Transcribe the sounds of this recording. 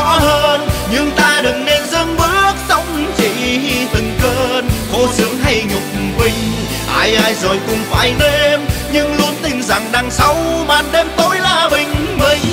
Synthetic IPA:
ɔ˧˥həː˧nɲɨ˧ŋt̪aː˧ɗɨ˨˩ŋne˧nzə˧ŋɓɨ˦˥ək̚sə˧wŋ͡mt͡ɕḭ˧˨i˧t̪ʰɨ˨˩ŋkəː˧nxo˨˦sɨ˨˦əŋɦa˧jɲʊ˨˩k͡p̚mɓï˨˩ŋ̟ | ʔaː˧jʔaː˧jzo˨˩jkʊ˧˩ŋ͡mfa̰ː˧˩jɗe˧mɲɨ˧ŋlu˨˦ənt̪ï˨˩ŋ̟za˨˩ŋɗaː˧˩ŋsə˨˦wɓaː˨˩nɗe˧mt̪o˨˦jlaː˨˩ɓï˨˩ŋ̟ɓə˨˩ŋ̟

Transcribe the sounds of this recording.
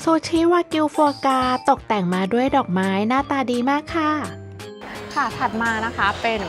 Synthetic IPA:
suː˨˧˩t͡ɕʰiː˦˥waː˧ki˧wfu˧kaː˧t̪o˨˩k̚t̪ɛ˨˩ŋmaː˧du˥˩əjdɔː˨˩k̚maː˦˥jnaː˥˩t̪aː˧diː˧maː˥˩kʰːa˥˩ | kʰa˥˩t̪ʰa˨˩t̪̚maː˧na˦˥kʰa˦˥pe˧n

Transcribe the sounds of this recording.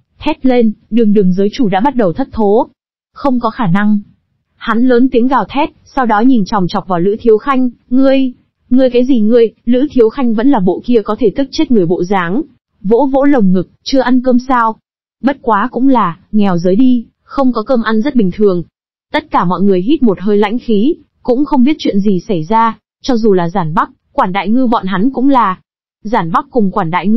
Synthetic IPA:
t̪ʰɛ˦˥t̚le˧nɗɨ˨˩əŋɗɨ˨˩əŋzəː˨˦jt͡ɕu˧˩ɗa̰ː˧˥ɓa˦˥t̚ɗə˨˩wt̪ʰə˦˥t̚t̪ʰo˨˦ | xə˧wŋ͡mkɔ˨˦xaː˧˩na˧ŋ | ha˨˦nləː˨˦nt̪i˨˦əŋɣaː˨˩wt̪ʰɛ˦˥t̚sa˧wɗɔ˨˦ɲi˨˩nt͡ɕɔ˨˩wŋ͡mt͡ɕɔ˨˩k͡p̚vaː˨˩wlɨ̰˧˥t̪ʰi˨˦əwxa˧jŋ̟ŋɨ˨˩əj | ŋɨ˨˩əjkaː˨˦jzi˨˩ŋɨ˨˩əjlɨ̰˧˥t̪ʰi˨˦əwxa˧jŋ̟və̰˧˥nlaː˨˩ɓo̰˧˨ki˧əkɔ˨˦t̪ʰe˧˩t̪ɨ˦˥k̚t͡ɕe˦˥t̚ŋɨ˨˩əjɓo̰˧˨zaː˨˦ŋ | vo̰˧˥vo̰˧˥lə˨˩wŋ͡mŋɨ˨˩k̚t͡ɕɨ˧əʔa˧nkəː˧msaː˧w | ɓə˦˥t̚kwaː˨˦kʊ̰˧˥ŋ͡mlaː˨˩ŋɛ˨˩wzəː˨˦jɗi˧ | xə˧wŋ͡mkɔ˨˦kəː˧mʔa˧nzə˦˥t̚ɓï˨˩ŋ̟t̪ʰɨ˨˩əŋ | t̪ə˦˥t̚kaː˧˩mɔ̰˧˨jŋɨ˨˩əjɦi˦˥t̚mo˨˩t̚ɦəː˧jla̰˧˥jŋ̟xi˨˦ | kʊ̰˧˥ŋ͡mxə˧wŋ͡mɓi˦˥ət̚t͡ɕwḭ˧˨ənzi˨˩sa˧˩jzaː˧ | t͡ɕɔ˧zu˨˩laː˨˩zaː˧˩nɓa˦˥k̚kwaː˧˩nɗa̰ː˧˨jŋɨ˧ɓɔ̰˧˨nɦa˨˦nkʊ̰˧˥ŋ͡mlaː˨˩ | zaː˧˩nɓa˦˥k̚ːʊ˨˩ŋ͡mkwaː˧˩nɗa̰ː˧˨jŋɨ˧

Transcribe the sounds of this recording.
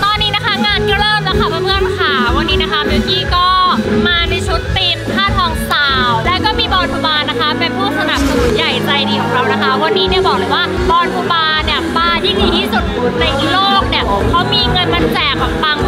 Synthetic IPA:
t̪ɔː˧nːiː˦˥na˦˥kʰa˦˥ŋaː˧˩nkɔ˥˩ɾɤː˥˩m̚na˧˨˩kʰa˦˥˩waː˧˩mɯ˥˩ənkʰaː˨˦wːa˧nːiː˦˥na˦˥kʰa˦˥baː˧kiː˧kɔː˥˩maː˧na˧jt͡ɕʰu˦˥t̪ːiː˧mkʰaː˥˩t̪ʰɔː˩˦ŋt̪aː˨˩wlɛː˦˥wkɔː˥˩miː˧bɔː˧npuː˧baː˧nːa˦˥kʰa˦˥pe˧npʰuː˥˩sa˧na˨˩p̚sa˧˨nu˨˦nt͡ɕa˧jɾa˧jdiː˧kʰɔː˨˩˦ŋɾa˧wna˦˥kʰa˦˥wa˧nːiː˦˥ni˥˩ɐbɔː˨˩k̚lɤː˧˥˦jwaː˥˩ | bɔː˧npʰuː˧baː˧ni˩baː˧jʰiː˥˩diː˧t̪ʰiː˥˩su˨˩t̪̚ku˨˩˦nːa˧jʔi˨˩loː˥˩k̚ni˧˩ɐkʰa˦˥wmiː˧ŋɤ˧nma˧nsɛː˨˩ka˧pa˧ŋ

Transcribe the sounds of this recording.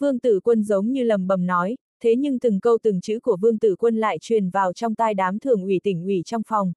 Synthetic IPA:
vɨ˧əŋt̪ɨ̰˧˩kwə˧nzə˨˦wŋ͡mɲɨ˧lə˨˩mɓə˨˩mnɔ˨˦j | t̪ʰe˨˦ɲɨ˧ŋt̪ɨ˨˩ŋkə˧wt̪ɨ˨˩ŋt͡ɕɨ̰˧˥ku˧˩əvɨ˧əŋt̪ɨ̰˧˩kwə˧nla̰ː˧˨jt͡ɕwi˨˩ənvaː˨˩wt͡ɕɔ˧wŋ͡mt̪aː˧jɗaː˨˦mt̪ʰɨ˨˩əŋʔwi˧˩t̪ï˧˩ŋ̟ʔwi˧˩t͡ɕɔ˧wŋ͡mfɔ˨˩wŋ͡m

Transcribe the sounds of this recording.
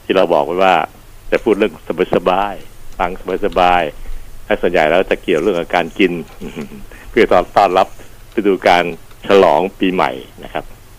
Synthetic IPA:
t̪ʰiː˥˩ɾa˧wbɔ̰ː˨˩k̚wa˧˩jwaː˥˩ | t͡ɕa˨˩pʰuː˥˩t̪̚ɾɯ˥˩əŋsa˧ba˨˦˩t̪̚sa˧baː˧jfa˧˥˩ŋsa˧ba˧˥˩sa˧baː˧jlɛː˦˥su˨˩ənja̰˨˩jɾɛː˦˥t͡ɕa˨˩ki˨˩əwɾɯ˥˩əŋʔa˧˩kaː˧nki˧n˧˩ | pʰɯ˥˩ət̪ɔː˧˩t̪ɔː˥˩nla˦˥p̚pa˧˩duː˧kaː˧nt͡ɕʰa˧lɔ̰ː˩˦ŋpiː˧ma̰˨˩jna˦˥kʰa˦˥p̚

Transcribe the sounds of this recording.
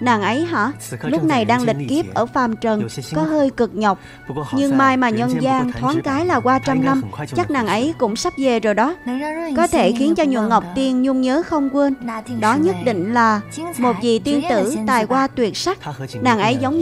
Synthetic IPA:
naː˨˩ŋʔə˨˦jɦɔ̰˧˥ | lʊ˦˥k͡p̚na˨˩jɗaː˧ŋlï˨˩k̟̚ki˦˥əp̚ʔəː˧˩faː˨˩mt͡ɕə˨˩nkɔ˨˦ɦəː˧jkɨ˨˩k̚ɲə˨˩wk͡p̚ | ɲɨ˧ŋmaː˧jmaː˨˩ɲwə˧nzaː˧ŋt̪ʰwaː˨˦ŋkaː˨˦jlaː˨˩kwaː˧t͡ɕa˧mna˧mt͡ɕa˦˥k̚naː˨˩ŋʔə˨˦jkʊ̰˧˥ŋ͡msa˦˥p̚ze˨˩zo˨˩jɗɔ˨˦kɔ˨˦t̪ʰe˧˩xi˨˦ənt͡ɕɔ˧ɲwḭ˧˨ənŋə˨˩wk͡p̚t̪i˧ənɲu˧ŋ͡mɲəː˨˦xə˧wŋ͡mkwə˧nɗɔ˨˦ɲə˦˥t̚ɗḭ˧˨ŋ̟laː˨˩mo˨˩t̚vi˨˩t̪i˧ənt̪ɨ̰˧˩t̪aː˨˩jkwaː˧t̪wi˨˩ət̚sa˦˥k̚naː˨˩ŋʔə˨˦jzə˨˦wŋ͡m

